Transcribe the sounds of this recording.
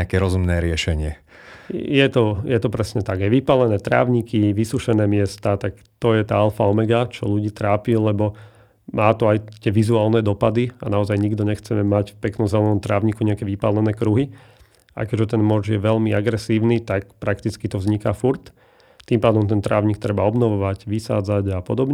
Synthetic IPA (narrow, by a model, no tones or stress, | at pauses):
akɛɾɔzumnɛːɾɪɛʃɛɲɪɛ | jɛt̪ɔjɛt̪ɔpɾɛsɲɛt̪aɡajʋipalɛnɛːt̪ɾa̰ːʊɲikiʋisuʃɛnɛːmɪɛst̪at̪ak | t̪ɔjɛt̪aːalfaɔmɛɡat͡ʃɔʎuɟiːt̪ɾaːpilɛbɔ | maːt̪ɔajt̪ɪɛʋizuaːlnɛd̪ɔpad̪ia̰naɔzajɲiɡd̪ɔɲɛxt͡sɛmɛmacfpɛknɔmzɛlɛnɔmt̪ɾaːʊɲikuɲɛakɛʋipalɛnɛːkɾuɦi | a̰kɛʒɛt̪ɛnmɔʒjɛʋɛʎmiaɡɾɛsiːʊnit̪akpɾakt̪it͡skit̪ɔʋzɲikafuɾt̪ | t̪ːimpaːd̪ɔmt̪ɛnt̪ɾaːʊɲik̚t̪ɾɛbaɔbnɔʋɔʋaɟʋisa̰ːd͡zaɟapɔd̪ɔbɲɛ